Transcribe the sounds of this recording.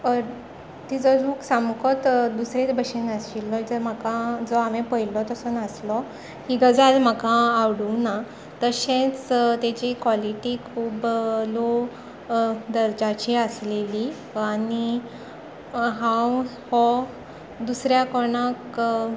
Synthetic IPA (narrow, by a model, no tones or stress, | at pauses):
t̪id͡zɔd͡zʱuːksamkʰɔt̪d̪usɾet͡sbəɕinəsilːɔd͡zəm̤akad͡zɔamẽpəilɔt̪əsənəslɔ | hiɡəd͡zalm̤əkaːwɽuna | t̪əɕẽt͡st̪at͡ɕikwɔliʈikʰuːblo | d̪əɾd͡ʑat͡ɕiəsleli | ani | ɦãw | hɔ | d̪usɾjakɔɳ̃ak